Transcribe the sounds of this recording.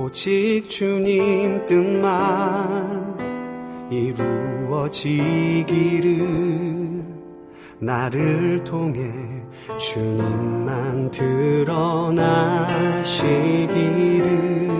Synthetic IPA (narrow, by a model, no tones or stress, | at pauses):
ot͡ɕʰik̚t͡ɕuɲimt͈ɯnma | n | iɾuwʌd͡ʑiɡiɾɯ | naɾɯɭtʰoŋɦe̞ | t͡ɕuɲimːantɯɾʌna | ɕʰiɡiɾɯ